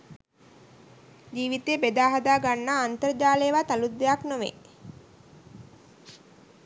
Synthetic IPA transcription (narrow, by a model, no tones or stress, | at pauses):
d͡ʒiːʋit̪eːbed̪aːɦad̪aːɡanːaːnt̪əɾəd͡ʒaːlejʋat̪alud̪ːejaknoʋḛ